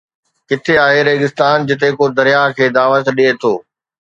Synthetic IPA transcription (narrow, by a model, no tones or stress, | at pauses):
kɪt̪ʰeaːɦeɾeːɡɪst̪aːnd͡ʑɪt̪̬ekod̪ɐɾijakʰeːd̪aːʋət̪ɗiɦet̪ʰoː